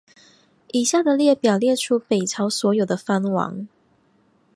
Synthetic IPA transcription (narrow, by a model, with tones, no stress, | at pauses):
ʔi˨˩ɕja˥˩d̪ə˨ljɛ˥˩pjɑ˨˩ʊljɛ˥˨ʈ͡ʂʰu˦pe˨˩ɪt͡sʰɑ˧˥ʊswɔ˧˥jo˨˩ʊd̪ə˦fa˦nwɑ̰˧˦ŋ